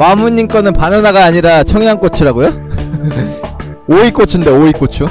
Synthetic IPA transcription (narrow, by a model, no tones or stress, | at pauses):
mamuɲːink͈ʌnɯnpanɯnaɡaːɲiɾat͡ɕʰʌŋjaŋk͈ot͡ɕʰɯɾaɡojo | oik͈ot͡ɕʰɯnde̞oik͈ot͡ɕʰu